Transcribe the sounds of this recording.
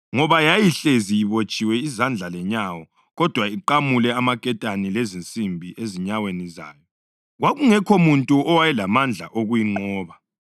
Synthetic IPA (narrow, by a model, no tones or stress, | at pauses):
ŋɔβajajiɬezijiβot͡ʃʼiwɛizand͡ɮʱalɛɲawɔ | ɣɔd̥ʱwaiǃamulɛamakʼɛtʼanilezint͡sʼimbʱiʔeziɲaweniza̰ːjɔ | ɣwaɣuŋɛkʰomuntʼuɔwajɛlamand͡ɮʱa̰ʔoɣujiŋ͡ǃɔːβa